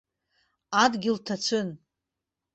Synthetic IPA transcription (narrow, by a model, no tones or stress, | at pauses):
adɡʲɪltʰat͡ʃʷʰɨn